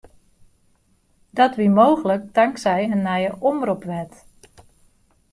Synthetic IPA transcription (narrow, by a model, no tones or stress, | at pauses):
d̥ɔtʋimoːɣələk̚dɑŋksɛjənːɛjəʔɔmrupʋɛt